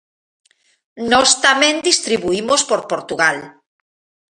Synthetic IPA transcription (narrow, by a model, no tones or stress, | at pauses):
nɔst̪amẽnd̪ist̪ɾiβuimospoɾpoɾt̪uɣal